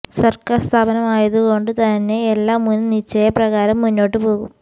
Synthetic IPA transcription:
sɐrkaːrst̪ʰaːbɐnɐmaːjɐðuɣo̞ɳɖɨt̪ɐnːe̞ːlːaːmːunnit͡ɕːɐjɐprɐɣaːɾɐmːunːo̞ːʈːɨpo̞ːɣum

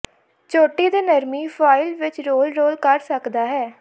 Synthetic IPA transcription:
t͡ʃoːʈiːd̪eːnəɾmiːpʰaːɪlʋɪt͡ʃɾoːlɾoːlkəɾsəkd̪aːɦɛː

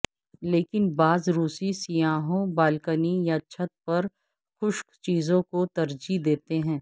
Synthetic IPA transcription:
leːkɪnbaːzɾuːsisijãːɦõbaːlkənijat͡ʃʰɐt̪̚pɐɾ | xʊʃkt͡ʃiːzõkot̪ɐɾd͡ʒid̪eːt̪eɦɛ̃ː

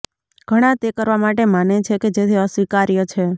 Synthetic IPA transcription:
ɡ̥ʱəɽ̃at̪ekəɾʋamaʈemanet͡ʃʰeked͡ʒet̪ʰiəsʋikaɾjət͡ʃʰe

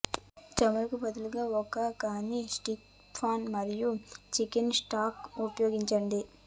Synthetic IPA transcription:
t͡ʃɐmɐlɐkubɐd̪uluɡaːɔkɐkaːnisʈik | pʰaːnmɐɾijut͡ʃikinsʈaːkupɐjoːɡiɲt͡ʃɐɳɖi

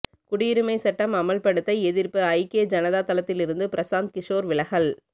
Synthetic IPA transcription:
kʊɽɪɪɾɯmɐɪsɐʈːɐmɐmɐɭpɐɽɯt̪ːɐɪɛðɪrpɯɐɪkeːd͡ʒɐnɐðaːt̪ɐlɐt̪ːɪlɪɾɯnd̪ɯpɪɾɐsaːnd̪̚kɪʂoːɾʋɪlɐɣɐl

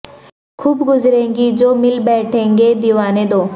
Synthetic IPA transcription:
kʰʊːbɡʊzɾẽːŋɡid͡ʒoːmɪlbɛːʈʰẽːŋɡed̪iʋaːned̪oː

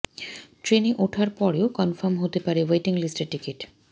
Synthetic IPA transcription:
ʈɾeniʔuʈʰaɾpɔɾeokɔnfɔɾmɦot̪epaɾeweʈiŋlisʈeɾʈːikiʈ

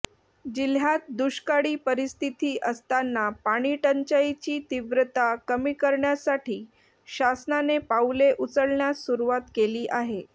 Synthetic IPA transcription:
d͡ʑil̤jat̪̚d̪uɕkaɽiːpəɾist̪ʰit̪iːʔəst̪anːapaɽ̃iʈəɲt͡ɕait͡ɕiːt̪iʋɾət̪akəmiːkəɾɳjasaʈʰiː | ɕasnanepauleʔut͡səɽɳjasuɾuʋat̪keliːʔaɦe

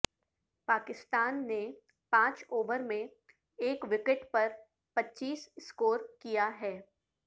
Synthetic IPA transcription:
paːkɪst̪aːnːe | pãːt͡ʃoːʋəɾmẽ | eːkʋɪkɪʈpɐɾ | pɐtːt͡ʃiːsskoːɾkijaɦɛː

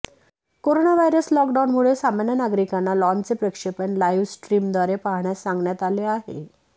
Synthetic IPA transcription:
koɾonaʋajɾəslɔkɖawnmuɭesamanjanaɡɾikanːalɔnt͡sepɾəkʂepəɳlajʋsʈɾiːmd̪ʋaɾepaɦɳjasːãŋɡɳjat̪aleaɦḛ

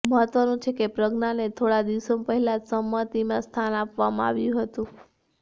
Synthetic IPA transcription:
məɦət̪ʋənũt͡ʃʰekepɾəɡnanet̪ʰoɽad̪iʋsompəɦɛlad͡ʒsəmːət̪imãst̪ʰanapʋamã̰a̰ʋjũɦət̪ũ

